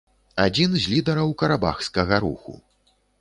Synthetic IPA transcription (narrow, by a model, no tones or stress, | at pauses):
ad͡zʲinzʲlʲid̪ɐɾɐwkɐɾaba̰xskɐɣɐɾṵxṵ